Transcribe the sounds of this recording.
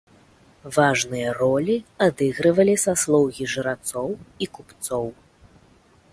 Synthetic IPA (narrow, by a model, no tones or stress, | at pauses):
vaʐnɨjɐrɔlʲiad̪ɨɣɾɨvɐlʲisaslˠɔwɣʲiʐɨɾat̪sɔwikupt̪sɔw